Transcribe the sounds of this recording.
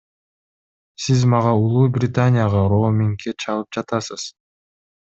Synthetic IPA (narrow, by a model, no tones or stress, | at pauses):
sizmɑʁɑulˠuːbrʲɪt̪anʲɪjaʁɑɾomʲɪŋkːet͡ʃʰɑlˠɯp̚d͡ʒɑt̪ɑsɯz̥